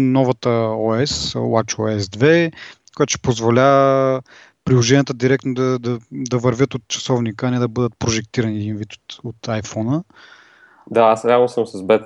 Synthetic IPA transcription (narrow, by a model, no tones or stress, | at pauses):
nɔvɐt̪əɔɛswat͡ʃɔɛsd̪vɛkojat̪ʃɛ̥pozvolʲa | pɾilˠoʒɛnʲijət̪əd̪iɾɛk̚t̪nod̪ɐd̪ɐd̪ɐvɐɾvʲɤt̪ot̪̚t͡ʃɐ̥sɔvnikəɐnɛd̪ɐbɤd̪ət̪̚pɾoʒɛk̚t̪iɾɐniɛd̪invit̪o̥t̪ot̪ajfɔnə | d̪aasɾaɐlˠnːosəmsɐzbɛt̪